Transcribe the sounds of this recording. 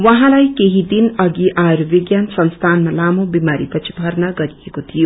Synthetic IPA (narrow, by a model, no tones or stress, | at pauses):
wʌɦãlajkeɦid̪inʌɡiʔaeɾubiɡjansʌnst̪ʰanmʌlamobimaɾipʌt͡sʰi̥bʱʌrnaɡʌɾijekot̪ʰijo